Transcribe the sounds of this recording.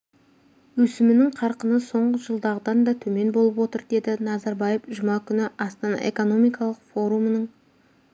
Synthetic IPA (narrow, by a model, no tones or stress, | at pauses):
wɵsɪmɪnɪŋqʰɑɾqənəso̞ɴʁəʒəlˠd̪ɑʁəd̪ɑnd̪ɑt̪ʰɵme̞nbolˠəpwo̞t̪əɾd̪e̞d̪ɪnɑzɑɾbɑjəfʒʊmɑkʲʰʏnɪɑst̪ɑnɑ̰ʔe̞̰ko̞no̞mijkɑlˠəqfo̞ɾumənəɴ